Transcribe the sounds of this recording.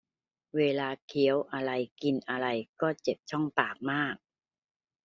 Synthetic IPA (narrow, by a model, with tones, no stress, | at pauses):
weː˧laː˧kʰi˩˦əwʔa˧ɾa˧jki˧nʔa˧ɾa˧jkɔː˥˩t͡ɕe˨˩p̚t͡ɕʰɔ˥˩ŋpaː˨˩k̚maː˥˩k̚